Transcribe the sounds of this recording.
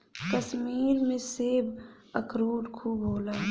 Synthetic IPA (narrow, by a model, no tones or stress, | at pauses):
kəsmiːlmẽseːb | əkʰɾuːɾkʰuːboːlaː